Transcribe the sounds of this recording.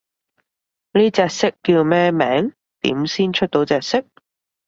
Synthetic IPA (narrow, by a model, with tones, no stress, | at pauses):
niː˥t͡sɛː˧k̚sɪ˥kːiː˧wmɛː˥mɛ̰ː˨˥ŋ | t̪ḭː˨˥msiː˥nt͡ʃʰɵ˥t̚t̪o˨˥wt͡sɛː˨˧k̚sɪ˥k̚